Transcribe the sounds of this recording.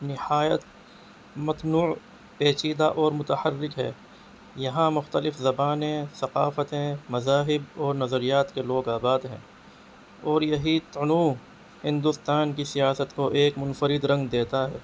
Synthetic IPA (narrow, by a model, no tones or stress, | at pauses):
nɪhaːjət̪ | mɐt̪nuː | peːt͡ʃiːd̪aʔɔːɾmʊt̪əhərːɪkɦɛ̰ː | jɐɦãmʊxt̪əlɪfzɐbaːnẽsɐqaːfət̪ẽmɐzaːɦɪbɔːɾnɐzəɾijaːt̪keloːɡaːbaːd̪ɦɛ̰̃ː | ɔːɾjɐɦit̪ʊnuː | hɪ̃nd̪ʊst̪aːnkisijaːsət̪koʔeːkmʊnfəɾɪd̪ɾɐ̃ŋɡd̪eːt̪aɦɛ̰ː